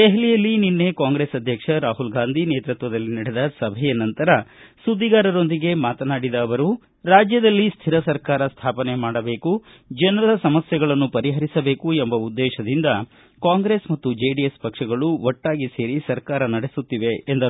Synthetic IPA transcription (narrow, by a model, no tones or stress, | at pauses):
d̪eɦlijɐlːininːe̞kaːŋɡɾeːsɐd̪ʱjɐkʂɐɾaːɦulɡaːnd̪ʱineːt̪ɾut̪ʋɐd̪ɐlːinɐɽed̪ɐsɐbʱɛjɐnɐnt̪ɐɾɐsud̪ːiɡaːɾɐɾo̞nd̪iɡe̞maːt̪ɐnaːɽid̪ɐːʋɐɾu | ɾaːd͡ʒjɐd̪ɐlːist̪ʰiɾɐsɐɾkaːɾɐst̪ʰaːpɐne̞maːɽɐbe̞ːku | d͡ʒɐnɐɾɐd̪ɐsɐmɐsjɛɡɐɭɐnːupɐɾiɦɐɾisɐbe̞ːkuembɐud̪ːɛːʃɐd̪ind̪ɐ | kaːŋɡɾe̞ːsmɐt̪ːud͡ʒeːɖijespɐkʂɐɡɐɭuʔɔʈːaːɡise̞ːɾisɐɾkaːɾɐnɐɽesut̪ːiʋe̞ːnd̪ɐ